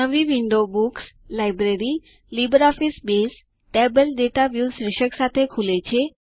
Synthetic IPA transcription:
əʋiʋɪɳɖobukslajbɾeɾi | libəɾɔfisbes | ʈebəlɖeʈaʋjusɾɪʃəksat̪ʰekʰulet͡ɕʰe

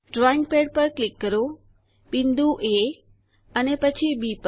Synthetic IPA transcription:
ɖɾɔɪ̃ŋɡ̚peɖ̚pəɾklɪkːəɾo | bɪ̃nd̪ʱuʔe | ənepət͡ɕʰibiːpə

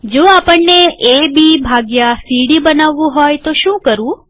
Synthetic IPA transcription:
d͡ʒoapəɳːeʔebibʱaɡjasiɽibənaʋːũɦojt̪oʃũkəɾũ

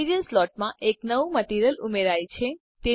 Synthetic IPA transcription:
iɾijənslɔʈ̚mãʔeknəʋuməʈiɾjəlumeɾajt͡ʃʰe | t̪e

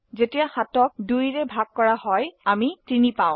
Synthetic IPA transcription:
zetijaxatɔk̚dujɹɛbʱaɡ̚kɔɹahɔjamitinipaʊ̃

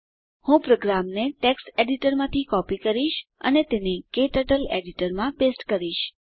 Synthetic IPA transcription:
hũpɾoɡɾamneʈeksʈeɖiʈəɾmãt̪ʰikɔpikəɾiʃə̰net̪enekeʈəʈəleɖiʈəɾmãbesʈkəɾiʃ

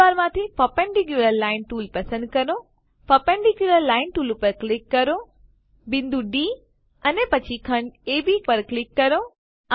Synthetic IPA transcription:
aːɾmãːt̪ʰipɐpẽɳɖikjuləɾlaːɪnʈuːlpɐsə̃nɖ̚kɐɾõ | pɐpẽɳɖikjuləɾlaːɪnʈuːlpɐɾklɪkːɐɾo | bɪ̃nd̪uɖiː | ɐnepɐt͡ɕʰikʰɐɳeːbipɐɾklɪkːɐɾõ

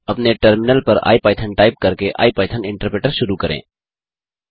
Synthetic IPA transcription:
ɐpneʈəɾmɪnəlpəɾa̰ːipaːɪt̪ʰənʈaːɪp̚kɐɾkeʔa̰ːipaːɪt̪ʰənɪ̃ɳʈəɾpɾeʈəɾʃʊɾukəɾḛ̃ː

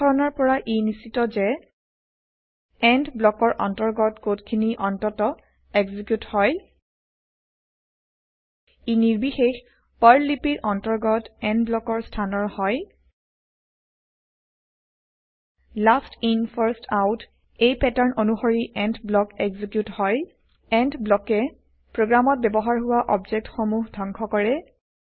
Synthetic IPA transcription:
ɔɹɔnaɹpɔɹaʔinisitɔzɛ | ɛndblɔkɔɹʔɔ̰ntɔɹɡɔtkotkʰiniʔɔntɔtɔ | ɛɡzikjuthɔj | iniɹbixex | paɹlipiɹʔɔntɔɹɡɔtɛndblɔkɔɹstʰanɔɹhɔj | lastinpʰaɹstʰawt | ejpɛtaɹnonuxoɹiʔɛntblɔkɛɡzikjuthɔj | ɛntblɔkɛ | pɹoɡɹamɔt̚bɛbɔɦaɹɦʊwaʔɔbzek̚txomuɦdʱɔŋkʰɔkɔɹɛ

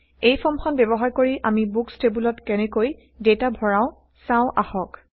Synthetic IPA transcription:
ejpʰɔmkʰɔnbɛbɔɦaɹkoɹiʔamibukstebulɔtkɛnɛkoj | detabʱɔɹãʊ̃ | sãʊ̃ʔaxɔk

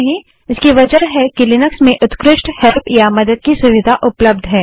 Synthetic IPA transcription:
ɦĩ | ɪskiʋɐd͡ʒəɾɦɛkilɪnəksmẽʔʊt̪kɾɪʃʈhɛlpʰjamɐd̪əd̪̚kisʊʋɪd̪ʱaʔʊpləb̚d̪ʱɦɛː

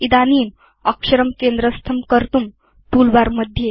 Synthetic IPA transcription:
id̪aniːm | əkʂəɾəmkend̪ɾəst̪ʰəmkəɾt̪um | t̪ulbaɾməd̪ʱːje

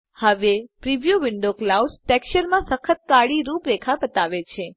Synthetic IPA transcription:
həʋepɾiʋjuʋɪɳɖoklawsʈɛkʃəɾmãsəkʰət̪̚kaɽiɾũpɾekʰabət̪aʋet͡ʃʰe

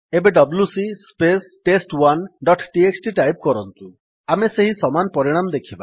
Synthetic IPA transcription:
ebeɖɔblusispesʈesʈwanɖɔʈʈieksʈiʈajp̚kɔɾɔnt̪u | ameseɦisɔmanpɔɾiɽ̃amɔd̪ekʰiba

